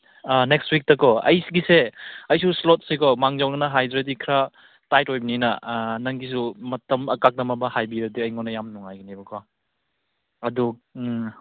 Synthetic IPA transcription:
anekstwik̚tɐkɔɐ̰jsiɡiseɐjsuslot̚sikɔmaŋzawnanɐɦajdɾetikʰɾa | tajt̚ojbininɐ̰nɐŋɡis̬umɐtɐmɐkak̚nɐmɐbɐhajbiɾɐdiɐjŋɔnɐjamnuŋajɡinibɐkʰɔ | ɐdu

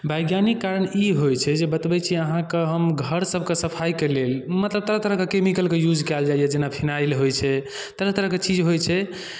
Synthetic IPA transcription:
bʱajɡjanikːaɾəniɦojt͡ʃʰɛd͡ʒebət̪bɛt͡ʃʰiəɦãkeɦəmɡʱəɾsəbʱkesəpʰajkelelmət̪ləb̚t̪əɾəɦt̪əɾəɦkekemikəlkejud͡ʒkɛld͡ʒaijɛd͡ʒenapʰinajlɦojt͡ʃʰɛ | t̪əɾəɦt̪əɾəɦket͡ʃid͡ʒɦojt͡ʃʰɛ

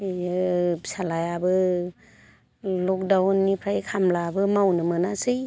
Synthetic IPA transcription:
salajabɯ | lɔk̚dawnːipʰɾajkʰamlabɯmawnɯmɯnasɯj

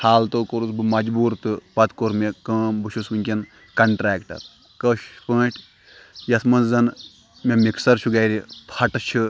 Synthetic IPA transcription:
haːlt̪oːkoɾusbɨmɐd͡ʒbuːɾt̪ɨpɐt̪koɾmekɐ̃ːmbɨʃʰusɨnʲkʲin | kɐɳʈɾaːkʈɐ̰ɾ | kɐʃpə̃ːʈʰ | jɐsmɐnzzɐn | mʲemiksɐɾʃʰuɡɐjɾiphʰɐʈɨt͡ʃʰɨ

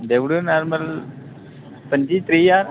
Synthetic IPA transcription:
d̪eʋɽunaɾməl | pənd͡ʑit̪ɾijaɾ

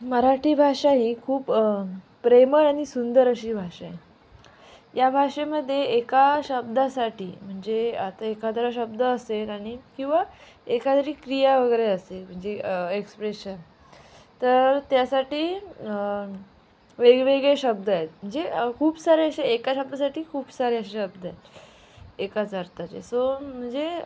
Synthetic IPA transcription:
məɾaʈiːbʱaʂaɦiːkʰuːp | pɾeməɾaɽ̃isund̪əɾəɕiːbʱaʂae | jabʱaʂeməd̪ʱːjeːkaɕəbd̪asaʈʰḭːm̤əɳd͡zeat̪aekat̪ɾaɕəb̚d̪əːselaɽ̃ikĩw̃ʋa | ekat̪əɾiːkɾijaʋəɡəɾeəselm̤əɳd͡zeekspɾeɕən | t̪əɾt̪jasaʈiː | ʋeɡʋeɡɭeɕəb̚d̪əjet̪m̤əɳd͡zekʰuːbsaɾeəɕeekaɕəb̚d̪asaʈʰiːkʰuːbsaɾeəɕaɕəbd̪ʱəet̪ | ekat͡səɾt̪at͡ɕḛsom̤əɳd͡ze

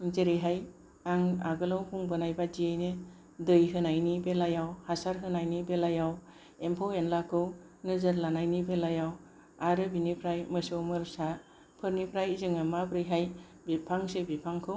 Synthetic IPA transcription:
zeɾɯjɦaj | aŋa̰ɡɯlawhuŋbɯnajbadijajne | dɯjɦɯnajnibelajawhasaɾɦɯnajnibelajaw | empʰawenlakʰɯw | nɯzaɾlanajnibelajaw | aɾɯbinipʰɾajmɯsɯwmɯɾsa | pʰɯɾnipʰɾajzɯŋɯmabɾɯjɦaj | bipʰaŋsebipʰaŋkʰɯw

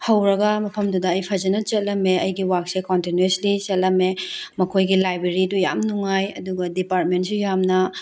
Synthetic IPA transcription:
hɐwɾɐɡɐmɐpʰɐmdudɐːjpʰɐd͡ʒɐnɐt͡ʃɐt̚lɐmeɐjɡiwak̚sekontinuenslit͡ʃɐt̚lɐmemɐkʰojɡilajbɾeɾiduja̰mnuŋajɐ̰duɡɐdipaɾt̚mentsujamnɐ

